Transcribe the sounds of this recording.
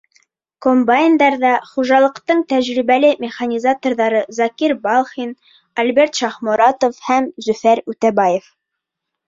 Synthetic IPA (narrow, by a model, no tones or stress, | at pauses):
kombajnd̪ɑɾðɑχuʒɑlˠɤ̆qt̪ɤɴt̪æʑɾiβælɘmʲɪχanʲizat̪orðɑɾɤzɑkiɾbɑlˠχin | ɐlbeɾt̪ʃɑχmŏɾɑt̪ofhæmzʉfæɾʉt̪æbɑjef